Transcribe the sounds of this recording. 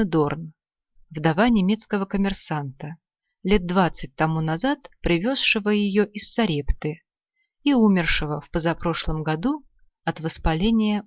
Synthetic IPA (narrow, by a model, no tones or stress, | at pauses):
d̪orn | vd̪ɐvanʲɪmʲe̞t̪skəvəkəmʲɪrsant̪ə | lʲe̞d̪̚dvat̪sɨt̚ʲt̪ɐmunɐzat̪pɾʲɪvʲo̞sʂɨvəjɪjoʔɪsːɐɾʲept̪ɨ | iumʲɪrʂɨvəfpəzɐpɾo̞ʂlˠəmɡɐd̪u | ɐt̪vəspɐlʲenʲɪjə